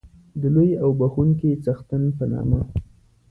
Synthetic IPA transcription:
d̪əlojawbaxuŋkit͡saxt̪anpənɑ̰ma

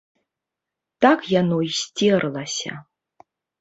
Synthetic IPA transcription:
t̪akjanoisʲtʲirlˠasʲa̰

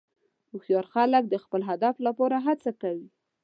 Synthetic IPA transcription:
uxjɑɾxalək̚d̪əxpəlɦad̪aflapɑɾaɦat͡sakawi

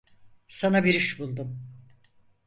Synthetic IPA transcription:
sanabiɾiʃbulˠd̪um

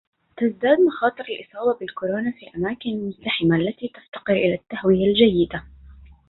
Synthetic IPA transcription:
t̪azd̪aːd̪maxɑːt̪ˤɨɾalʔɨsˤɑːbɑbɪlkʊɾoːnaːfiːlʔamaːkɪnalmʊzt̪aħɪmaʔalːat̪iːt̪aft̪ɑ̥qɨɾʔɪlaːt̪ːahwɪjald͡ʒajːɪd̪a

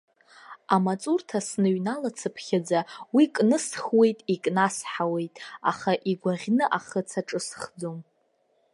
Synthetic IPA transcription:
amat͡sʼurtʰasnɨɥnalat͡sʰɨpʰχʲad͡zawikʼnɨsχwe̞jtʼikʼnasħawe̞jtʼa̰χaʔiɡʷaʁʲnɨʔaχət͡sʰaʈ͡ʂʼɨsχd͡zom

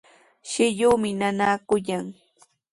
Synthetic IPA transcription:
ʃɪʎuːmɪnanaːkʊjaŋ

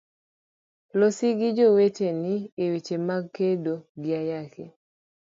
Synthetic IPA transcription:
losiɡɪd͡ʒowet͡ʃeniewet͡ʃemaɡkedoɡɪajake

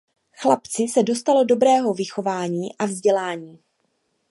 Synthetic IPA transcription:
xlapt͡sɪsɛdo̞st̪alo̞do̞bɾɛːɦo̞vɪxo̞vaːɲiːʔavzɟɛlaːɲiː

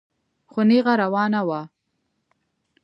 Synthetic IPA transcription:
xʊneɣaɾawɑnawa

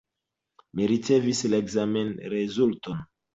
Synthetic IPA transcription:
miɾit͡sevislaeɡzamenɾezulton

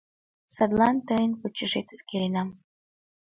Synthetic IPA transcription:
sɑd̪lɑnt̪əjənput͡ɕːəʒet̪ut̪keɾenɑm

